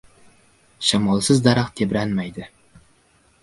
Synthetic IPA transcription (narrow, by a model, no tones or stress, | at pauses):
ʃamɒlˠsɪzd̪aɾaqt̪ʰebɾanmajd̪ɪ